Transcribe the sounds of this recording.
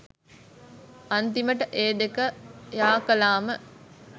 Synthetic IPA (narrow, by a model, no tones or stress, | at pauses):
ant̪iməʈəʔeːd̪ekəjaːkəlaːmə